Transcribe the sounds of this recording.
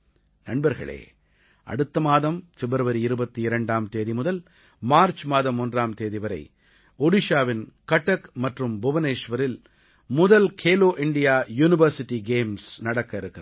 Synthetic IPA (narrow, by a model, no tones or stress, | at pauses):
nɐɳbɐɾɣɐ̰ɭḛː | ɐ̰ɽɯt̪ːɐmaːðɐmfɛbɪɾɐʋɐɾiɪɾɯbɐt̪ːiɪɾɐɳɖaːmt̪eːðimʊðɐl | maːɾt͡ʃmaːðɐmːʊndraːmt̪eːðiʋɐɾɐ̰ɪ | ɔɽɪʂaːʋɪnkɐʈːɐkmɐʈrɯmbʊʋɐneːʂʋɐɾɪl | mʊðɐlkʰeːloːʔɪɳɖɪjaːjuːnɪʋɐɾsɪʈːiɡeːmsnɐɽɐkːɐɪɾɯkːɪɾɐ